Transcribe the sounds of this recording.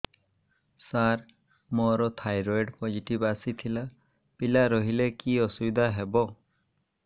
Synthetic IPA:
saɾ | mɔɾɔt̪ʰajɾɔjɖpɔd͡ʒiʈibasit̪ʰila | pilaɾɔɦilɛkiɔsubid̪ʱaɦɛbɔ

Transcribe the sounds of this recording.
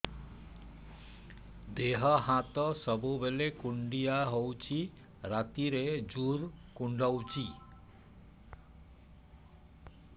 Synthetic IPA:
d̪eɦʌɦãt̪ʌsʌbobelekuɳɖijaɦowt͡sʰi | rat̪iɾed͡zurkuɳɖawt͡sʰi

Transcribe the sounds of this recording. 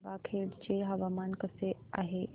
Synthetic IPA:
baːkʰeːɽd͡ʑeːɦɐʋaːmaːnkəseaːɦeː

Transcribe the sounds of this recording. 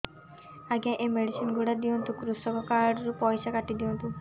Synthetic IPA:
aɡãʔemeɽisinɡuɽad̪iɔnt̪ũkɾusɔbɔkaɾɖɾupɔjsakaʈid̪iɔnt̪u

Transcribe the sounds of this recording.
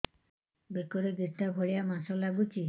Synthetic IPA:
bekɔɾeɡ̪iʈːabʱɔɭijamasɔlaɡut͡ʃi

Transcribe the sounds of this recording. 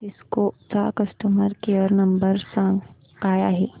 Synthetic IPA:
ɪskosaːkɐsʈəməɾkeəɾnɐmbəɾsãːŋɡ | kaːja̰ɦɛː

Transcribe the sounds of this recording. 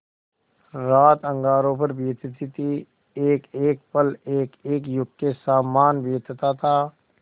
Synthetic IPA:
ɾaːt̪ə̃ŋɡaːɾõpəɾbeːt̪t̪ʰit̪i | eːkeːk̚pəleːkeːkjʊɡkesaːmaːnbeːt̪t̪at̪ʰaː

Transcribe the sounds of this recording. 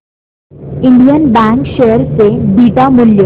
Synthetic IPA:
iɳɖijənbæ̃ŋkʃeɦəɾsebiːʈamuljo

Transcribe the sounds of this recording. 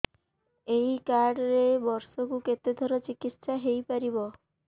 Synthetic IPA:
ejkaɾɖɾebɔɾsɔkuket̪ed̪ʱɔɾɔt͡ʃikit̪ːʃaɦejpaɾibɔ

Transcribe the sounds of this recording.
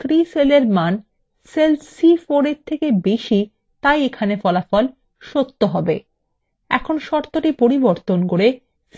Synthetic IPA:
t̪ʰɾiseleɾman | selsifoɾeɾt̪ʰekebeʃi | t̪ajekʰanefɔlafɔl | ʃot̪ːoɦɔbḛ | ɛ̰kʰonʃɔɾt̪oʈipoɾiboɾt̪onkoɾe | s

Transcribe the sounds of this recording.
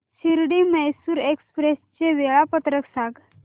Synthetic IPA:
ɕiɾɽiːməjsuːɾekspɾest͡ɕeʋeɭapət̪ɾəksãɡ

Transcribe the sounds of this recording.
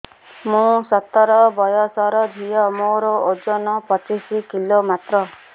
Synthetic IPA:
mũsɔt̪ːɔɾɔbɔjɔsɔɾɔd̪ʱijɔmoɾɔod͡ʒɔnɔpɔt͡ʃisikilomat̪ɾɔ

